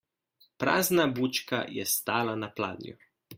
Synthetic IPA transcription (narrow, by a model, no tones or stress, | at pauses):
pɾa̰ːznabuːt͡ʃka̰jɛst̪aːlanapla̰ːd̪nʲjṵ